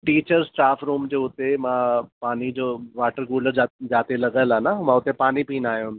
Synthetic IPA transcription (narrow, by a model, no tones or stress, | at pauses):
ʈiːt͡ɕəɾsʈaːfɾũːmd͡ʑoːʊt̪emãpaːnid͡ʑoːʋaːʈəɾɡuːləɾad͡ʑaːt̪ilɐɡəlaːnamãʊt̪epaːnipiːnaːjũn